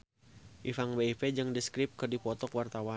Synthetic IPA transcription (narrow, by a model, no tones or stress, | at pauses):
ʔifaŋbeiped͡ʒɨŋdiskɾɪp̚kɨrdipɔt̪ɔkwart̪awa